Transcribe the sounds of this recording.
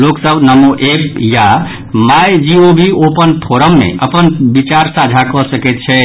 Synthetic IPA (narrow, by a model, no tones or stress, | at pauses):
loksəbnəmuʔep̚ʰja | majd͡ʒiobʱiopənpʰoɾəmːḛʔəpənbit͡ʃaɾsad͡ʒʱakɔsəkɛt̪̚t͡ʃʰɛ